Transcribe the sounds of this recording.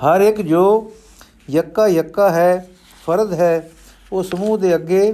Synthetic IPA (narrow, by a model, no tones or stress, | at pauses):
həɾɪkd͡ʒoː | jəkːaːjəkːaːɦɛː | pʰəɾd̪ɦɛː | oːsəmuːd̪eːəɡːeː